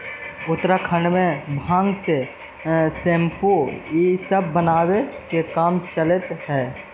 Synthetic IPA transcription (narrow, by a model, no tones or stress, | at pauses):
ʊt̪ɾakʰə̃ɳɖmẽbʱãːŋɡse | sempojisəbːənaːwekekaːmt͡ʃələt̪ɦɛ